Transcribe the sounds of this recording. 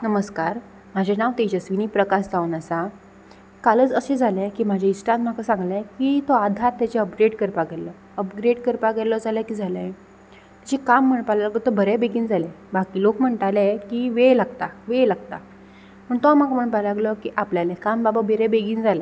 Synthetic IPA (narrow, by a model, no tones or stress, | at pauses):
nəməskaɾ | m̤ad͡ʑʱenaʋt̪et͡ɕasʋiniːpɾəkasd͡zaʋnəsa | kaləːt͡səsed͡zʱalekiːm̤ad͡ʑʱeisʈãnt̪m̤akasãŋɡlẽkit̪ɔad̪ʱaɾt̪ːat͡ɕeəpɡɾeɖkəɾpaɡɛlə | əpɡɾeɖkəɾpaɡɛlɔd͡zaləkiːd͡zʱalə | t̪at͡ɕekam̤ːəɳpalalaɡlɔt̪ɔbʱəɾɛbeɡiːnd͡zʱale | bakiːlokm̤əɳʈ̪alekiʋelaɡt̪aʋelaɡt̪a | məɳt̪oam̤akaməɳpalaɡlɔkiʔapljalekambababʱeɾɛbeɡiːnd͡zʱale